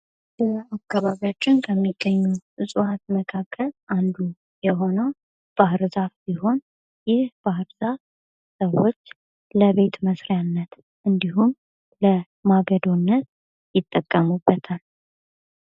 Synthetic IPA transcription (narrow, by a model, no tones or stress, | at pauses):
bəakːaβaβijat͡ʃːɪnkʰəmːiɡːəɲːuʔɨsʼuhat̪məkʰakʰːəlʔand̪u | jɛɦo̞nəw | b̥ahɨɾzafbiɦo̞n | jɪhb̥ahɨɾz̥af | səwːo̞t͡ʃː | ləβe̞t̪məsɾjanːət̪ | ʔɨnd̪iɦum | lə | maɡəd̪o̞nːət̪̚ | jɪt̪ʼːəkʼːəmubːət̪ʰal